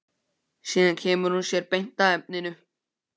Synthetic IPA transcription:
siːðaŋcʰɛːmʏɾhunsjɛːɾpejn̥t̪aɛp̚nɪnʏ

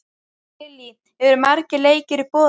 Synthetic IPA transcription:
ɪli | ɛvɪɾmaɾcɪleːjcɪɾipɔː

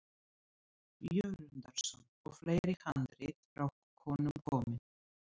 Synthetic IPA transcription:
jœɣɾʏnt̪aɾ̥sɔnɔ̰ɣfleːjɾɪhant̪ɾɪt̪rawkkʰːɔːnʏmkʰɔːmɪn

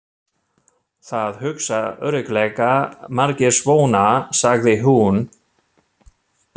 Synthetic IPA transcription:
θaðhʏksaœ̰ɾʏklɛkamaɾcɛɾ̥svoːwnasaɣðɪɦun

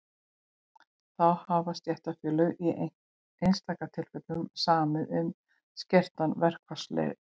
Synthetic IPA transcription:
θaðhavast̪jɛht̪afjɛːlʏɣi | ejnst̪aːkat̪ʰɪlfœk̪lʏmsaːmɪðʏm | scɛr̥t̪anvɛr̥kvḁslɛ̰ɣ

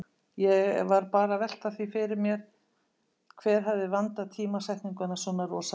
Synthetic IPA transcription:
jɛɣvaɾpaːɾavɛl̥t̪aðθvifɪɾɪɾmjɛɾ̥ | kʰvɛːɾ̥ɦavðɪvant̪aðt̪ʰiːmasɛjht̪niŋkʏnasɔnaɾɔːsa

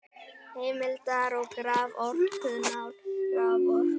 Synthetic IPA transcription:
heːmɪlt̪aɾɔwkɾaːvɔɾkʰœnawɾkɾaːvɔɾ

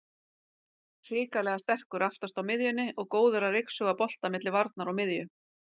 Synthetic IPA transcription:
r̥iːkalɛɣast̪ɛr̥kʏɾaft̪ast̪awmɪðjʏnːɪʔɔɣkoːwðʏɾarejksœɣapɔl̥t̪amɪt̪lɪvaɾt̪naɾawmɪðjʏ

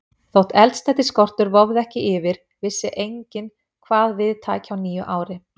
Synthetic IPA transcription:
θowht̪ɛlt̪st̪ɛht̪ɪskɔr̥t̪ʏɾvɔvðɛhcɪʔɪvɪɾ̥ | vɪsːɪʔejɲcɪn | kʰvaːðvɪðt̪ʰaːcawniːjʏʔaːwɾɪ

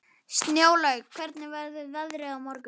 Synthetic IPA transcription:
st̪njoːwlaɥkʰvɛɾt̪nɪvɛɾðθʏððaðɾɛawmɔɾkʏ

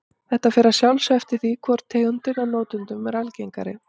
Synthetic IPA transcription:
θɛht̪afɪɾasjawlsɛft̪ɪɾ̥θikʰvɔɾ̥t̪ʰːeːɣʏnt̪ɪnanoːwt̪ʏnt̪ʏmɛɾalcejŋka̰ɾɪ̰

